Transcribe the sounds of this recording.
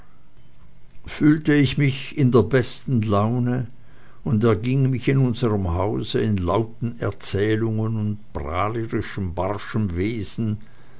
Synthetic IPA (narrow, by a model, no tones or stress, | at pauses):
fyːltəɪçmɪçɪndeːɐbɛstn̩laʊnə | ʊndɛɐɡɪŋmɪçɪnʊnzəʁəmhaʊzəɪnlaʊtn̩ɛ̰ɐt͡sɛːlʊŋənʊnt̚b̥ʁaːləʁɪʃəmbaʁʃəmveːzn̩